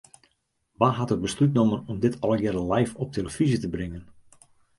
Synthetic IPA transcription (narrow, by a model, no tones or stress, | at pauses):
ʋaɦatɪk̚bəslytnomənɔmdɪtʰɑlˠjɪɾəlɛjfɔp̚tʰeləfizətəbrɪŋən